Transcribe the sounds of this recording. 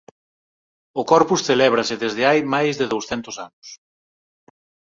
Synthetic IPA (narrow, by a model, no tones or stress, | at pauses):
ʊkɔɾpusθelɛβ̞ɾɐsɪðezðɪajmajzðɪðowsθɛnt̪ʊsanʊs